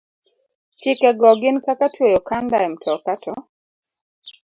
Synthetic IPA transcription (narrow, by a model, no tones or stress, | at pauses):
t͡ʃɪkɛɡɔɡɪnkakatojɔkandaɛmtʰɔkatʰɔ